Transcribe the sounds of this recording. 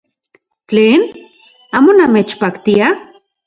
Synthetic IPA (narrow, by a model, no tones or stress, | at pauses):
t͡ɬeːn | aːmonamet͡ʃpakt̪ia